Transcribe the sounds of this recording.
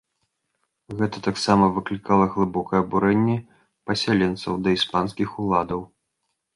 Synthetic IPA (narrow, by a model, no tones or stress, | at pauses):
ɣɛt̪ɐt̪aksamɐvɨklʲikalˠɐɣlˠɨbɔkɐjɐbuɾɛnʲːɛ | pɐsʲalʲɛnt̪sɐwd̪ɐispanskʲixulˠad̪ɐw